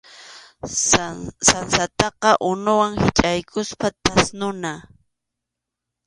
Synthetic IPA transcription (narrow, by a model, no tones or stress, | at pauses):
sansat̪ɑqɑʔʊnʊwaŋhɪt͡ʃʼajkʰʊspat̪asnʊna